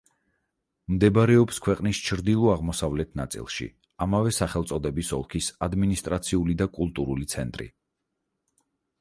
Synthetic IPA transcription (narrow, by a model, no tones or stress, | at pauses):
md̪ɛbɾɛɔpskʰwɛqʼnist͡ʃʰɾd̪ilˠɔaʁmɔsavlɛt̪ʰnat̪sʼḭlˠʃḭ | amavɛsaχɛlˠt̪sʼɔd̪ɛbisɔ̰lˠkʰisad̪minist̪ʼɾat̪sʰiulid̪akʼulˠt̪ʼuɾulit̪sʰɛnt̪ʼɾḭ